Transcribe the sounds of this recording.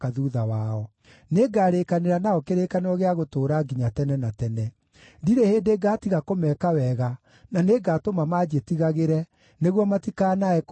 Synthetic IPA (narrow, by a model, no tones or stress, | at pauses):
kaðuːðawaɔ | neɡaːɾekaneɾanaɔkeɾekaneɾɔɣeaɣotoːɾaɡiɲatɛnɛnatɛnɛ | diɾeheːndeːɡaːtiɣakomɛːkawɛɣa | naneɡaːtomamad͡ʒetiɣaɣeɾɛ | neɣwɔmatikaːnaɛk